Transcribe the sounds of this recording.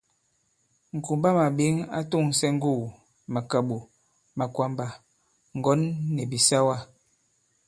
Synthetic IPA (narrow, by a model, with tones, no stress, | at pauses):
ŋ̩˨ku˨mba˦ma˨bi˨˦ŋa̰˦tu˦˨ŋ˨sɛ˦ŋ̩˦ɡu˦˨ | ma˨ka˨ɓo˨ | ma˨kwa˨mba˨ | ŋ˨ɡɔ˨˦nːɛ˨bi˨sa˦wa˦